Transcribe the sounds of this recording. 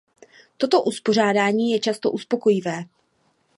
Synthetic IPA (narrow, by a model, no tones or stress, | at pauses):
t̪o̞t̪o̞ʔuspo̞r̝aːdaːɲiːjɛt͡ʃast̪o̞ʔuspo̞ko̞jɪvɛː